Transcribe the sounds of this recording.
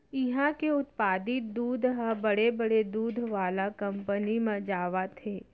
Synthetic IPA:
ɪɦãkeʊt̪paːd̪ɪt̪̚d̪uːd̪ʱɦə̃bɐɽebɐɽed̪uːd̪ʱʋaːlakɐ̃mpənimɐ̃d͡ʒaːʋat̪ʰeː

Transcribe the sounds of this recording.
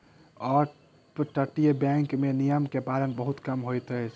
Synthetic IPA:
ɔːɾ | pʈəʈijəbɛ̃ŋkmenijəmkebaɾənbəɦut̪kəmɦojt̪ət͡ʃʰ

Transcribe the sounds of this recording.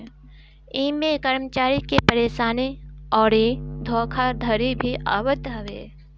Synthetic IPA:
ĩːmẽkəɾmət͡ʃaːɾikepəɾeːʃaːneɔːɾed̪ʱoːkʰad̪ʱəɾibʱiʔa̰ːʋəd̪ʱəʋḛː

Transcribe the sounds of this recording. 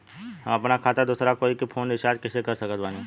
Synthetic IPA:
ɦɐmɐpnakʰaːt̪ad̪uːsɾakoːikipʰoːnɪʃaːd͡ʒkɪsekɐɾsɐkət̪baːne

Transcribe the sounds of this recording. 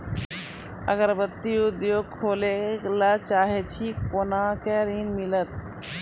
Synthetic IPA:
ə̰ɡəɾbət̪ːiud̪joːɡ̚kʰoːlelat͡ʃaːɦet͡ʃʰikonakeɾinmilət̪

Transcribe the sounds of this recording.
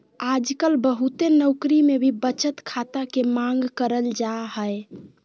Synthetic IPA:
ad͡ʒkəlbəɦut̪enəʊkɾimebʱibət͡ʃət̪kʰat̪akemaŋɡkəɾəld͡ʒaɦəe

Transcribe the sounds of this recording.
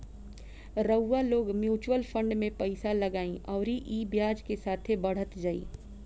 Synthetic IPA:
ɾəwːaloːɡmjuːt͡ʃwəlfʰə̃ɳɖmẽpɐɪsalɐɡaːĩʔɔːɾiʔiːbjaːd͡ʒkesaːt̪ʰebɐɽ̤ət̪d͡ʒaːḭː

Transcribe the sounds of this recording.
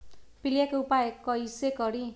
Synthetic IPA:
pilijakupaekʌjsekʌɾĩ

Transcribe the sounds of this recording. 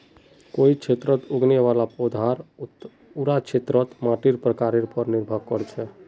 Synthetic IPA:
koit͡ʃʰet̪ɾət̪uɡneʋalapod̪ʱaɾ | uɾat͡ʃʰet̪ɾət̪mãʈiɾpɾəkaɾiɾpəɾniɾbʱəkːəɾt͡ʃʰɛ

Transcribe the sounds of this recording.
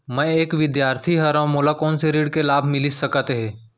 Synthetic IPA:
mɛ̃eːkʋɪd̪jaːɾt̪ʰiɦɐɾãmoːlakɔːnseɾiːɽkelaːbʱmɪlisɐkət̪ɦɛ̃ː

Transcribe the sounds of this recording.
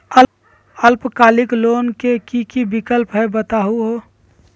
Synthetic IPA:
ə | əlpkaːlɪkloːnkekikibɪkəlpɦɛbət̪aɦuɦoː

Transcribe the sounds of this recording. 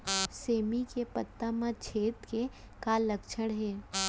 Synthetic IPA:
seːmikepət̪ːamãt͡ʃʰeːt̪ke | kalːəkt͡ʃʰəɽɦɛː

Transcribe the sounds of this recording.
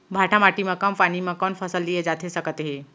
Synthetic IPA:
bʱaʈʰamaʈimakəmpañimakənfʰəsəld̪ied͡ʒat̪ʰesəkət̪ɦe

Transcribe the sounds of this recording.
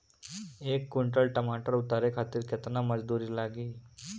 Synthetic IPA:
ekːuɳʈəlʈəmaʈəɾut̪aɾekʰat̪iːɾkʰet̪naməd͡zd̪uɾiːlaɡiː

